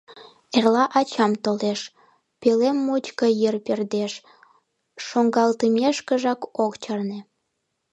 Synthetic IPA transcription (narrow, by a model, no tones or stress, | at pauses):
erlɑʔɑt͡ɕɑmt̪oleʃ | pelemːut͡ɕkəjərperd̪eʃː | oŋɡɑlt̪imʲeʃkə̆ʒɑkokt͡ɕɑrnĕ